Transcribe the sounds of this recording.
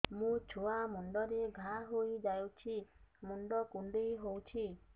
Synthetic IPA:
mũt͡ʃʰuamuɳɖɔɾeɡʱaɦoid͡ʒajut͡ʃʰimuɳɖɔkuɳɖijɦowt͡ʃʰi

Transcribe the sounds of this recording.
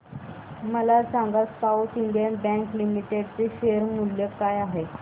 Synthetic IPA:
məlasaŋɡasaut̪iɳɖjənbɛ̃ŋklimiʈeɽt͡seɕeɾmuljəkajaɦe

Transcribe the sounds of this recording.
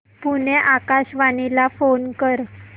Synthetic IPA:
puneʔakaɕʋanilafonkəɾ

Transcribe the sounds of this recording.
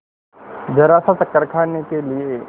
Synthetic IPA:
d͡ʒɐɾaːsat̪ɐkːəɾkʰaːnekelie

